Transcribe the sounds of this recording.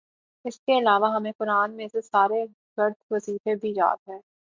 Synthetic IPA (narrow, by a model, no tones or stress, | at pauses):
ɪskeɪlaːʋaɦɐmẽkʊɾaːnmẽsesaːɾe | ɡ̥ɐɾd̪̚ʱʋɐziːfebʱid͡ʒa̰ːt̪ɦɛ̃ː